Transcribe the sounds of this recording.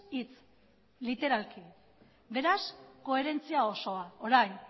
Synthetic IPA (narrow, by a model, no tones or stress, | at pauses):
it͡s | lit̪e̞ɾalki | be̞ɾasko̞e̞ɾe̞nt͡siao̞so̞aoɾajn